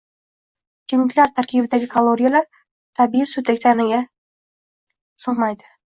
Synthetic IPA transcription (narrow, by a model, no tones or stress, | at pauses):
d͡ʒʰɪmɪkʲlaɾt̪ʰaɾkʲʰibɪd̪aɡʲɪkʰalˠoɾʲijalaɾ | t̪ʰabijɪsʊt̪ʰakʲt̪ʰanɪɡʲa | sɨʁmajd̪ɪ̥